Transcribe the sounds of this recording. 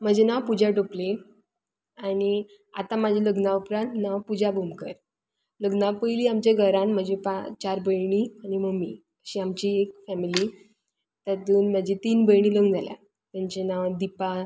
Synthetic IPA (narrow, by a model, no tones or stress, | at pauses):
m̤əd͡ʑenaʋpud͡ʑʱaʈople | ani | a̰t̪ãmad͡ʑʱeləɡnaupɾãnt̪naʋpud͡zabʱomkəɾ | ləɡnapəjliːamt͡ɕeɡʱəɾãnm̤əd͡ʑepat͡ɕaɾbʱəjɳ̃ianiməmi | əɕiamt͡ɕiekfɛmiliː | t̪at̪uːnmad͡ʑet̪iːnbəjɳ̃iləɡd͡zalja̰ | t̪jaɲt͡ɕenaʋd̪ipa